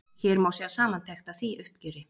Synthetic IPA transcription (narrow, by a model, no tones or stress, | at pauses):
çɛːɾmaːwsɛasaːmant̪ʰɛxt̪aθiʔʏhpcɛːɾɪ